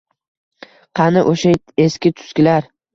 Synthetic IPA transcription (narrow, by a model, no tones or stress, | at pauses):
qʰɑnɪʔoʃa | e̞skʲɪt̪ʰʊ̥skʲɪlaɾ